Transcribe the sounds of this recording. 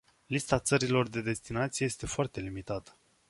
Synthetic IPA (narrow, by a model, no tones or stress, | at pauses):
list̪at̪səɾilo̞rd̪e̞d̪e̞st̪inat̪sije̞je̞st̪e̞foart̪e̞limit̪at̪ə̥